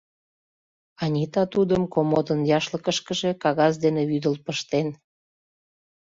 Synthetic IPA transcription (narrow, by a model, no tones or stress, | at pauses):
ɑnʲit̪ɑt̪ud̪əmkomod̪ənjɑʃləkəʃkəʒe̽kɑɣɑzd̪eneβyd̪əlpəʃt̪en